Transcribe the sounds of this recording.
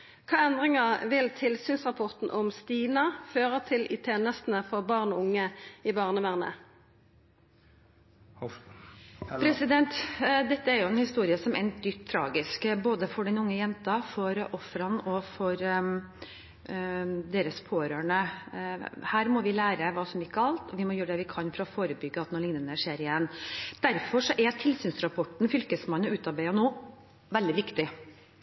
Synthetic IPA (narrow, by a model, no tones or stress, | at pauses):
kʰɑːɛnd̪ʁɪŋɑʋɪlt̪ʰɪlsyːnsʁɑpʰɔʁt̪n̩ʔɔmst̪iːnɑføːʁət̪ʰɪlʔɪ̰t̪ʰeːnəst̪n̩əfɔʁbɑːʁnɔʊŋːəɪbɑːʁnəʋæːʁnə̰ | pʰɾɛsɪd̪ɛnt̪d̪ɛt̪ːəæɾjʊɛnhɪst̪uːɾɪəsɔmɛnd̪ʏt̪ʰːɾɑ̰ːɡɪskboːd̪əfɔɖɛnʊŋːəjɛnt̪ɑfɔɾʔɔfɾɑnɔfɔɾ | d̪eːɾəspʰoːɾøːɳə | hæːɾmɔʋɪlæːɾəʋɑːsɔmɪkːəɑlt̪ɔʋɪmɔjøːɾɖ̪ɛʋɪkʰɑnfɾɑːfoːɾəbʏɡːəɑt̪noːlɪŋnənəʂeːɾɪjɛnːd̪̥æɾfɔʂɔʔɛt̪ʰɪlsyːnsɾɑpʰɔʈɳ̩fʏlkəsmɑnːɔʉːt̪ɑɾbæɪɑnoː | ʋɛld̪ɪʋɪkt̪ɪ